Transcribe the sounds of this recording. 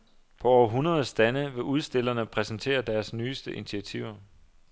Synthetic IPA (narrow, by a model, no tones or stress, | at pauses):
pʰɒ̽ɒʊɐɦunɐðˠsd̥ænəʋe̝ʔuð̞ˠsd̥e̝l̰ɐnəpʰʁɛsnt͡sʰe̝̰ːɐd̥æɐsnyːsd̥əʔinit͡sʰiæt͡sʰiʊ̰ɐ